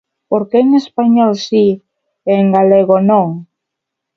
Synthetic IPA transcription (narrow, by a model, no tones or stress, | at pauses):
poɾkeŋespaɲɔlsi | eŋɡaleɣonõŋ